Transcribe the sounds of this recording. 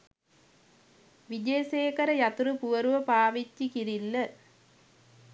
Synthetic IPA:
ʋid͡ʒejɐseːkɐɾɐjɐt̪uɾɯpuʋɐɾuʋɐpaːʋit͡ʃːikiɾilːɐ

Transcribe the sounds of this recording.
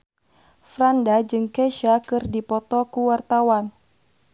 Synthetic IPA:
fɾandad͡ʒɨŋkɛʃakɨrdipɔt̪ɔkuwart̪awan

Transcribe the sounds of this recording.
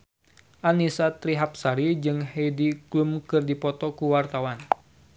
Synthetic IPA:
ʔanisat̪ɾiɦap̚saɾid͡ʒɨŋhediklumkɨrdipɔt̪ɔkuwart̪awan

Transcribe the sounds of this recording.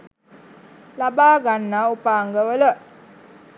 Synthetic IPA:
labaːɡanːaupaːŋɡəʋələ

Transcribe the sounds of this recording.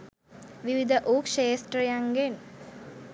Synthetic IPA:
ʋiʋid̪ʱəʔoːkʃeːsʈɾəjaŋɡen

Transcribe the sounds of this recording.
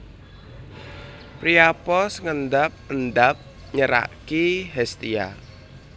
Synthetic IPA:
pɾiapɔsəŋənd̪ap̚ənd̪ap̚ | ɲəɾa̰ʔkiɦɛst̪ia̰

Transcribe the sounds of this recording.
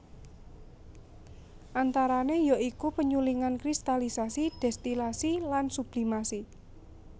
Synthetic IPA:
ʔant̪aɾanejoʔikupəɲuliŋankɾist̪alisasid̥ɛst̪ilasilansub̥limasi

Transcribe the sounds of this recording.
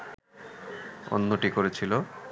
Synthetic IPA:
o̰nːoʈikoɾet͡ɕʰilo

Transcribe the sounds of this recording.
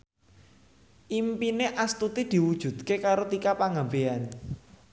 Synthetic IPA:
ʔimpineʔast̪ut̪id̪̥i̤wud̥ʒ̥ṳd̪̥̚kekaɾot̪ikapaŋambean

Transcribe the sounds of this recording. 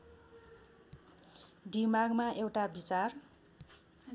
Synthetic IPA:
ɖimaɡmaewʈabit͡sar

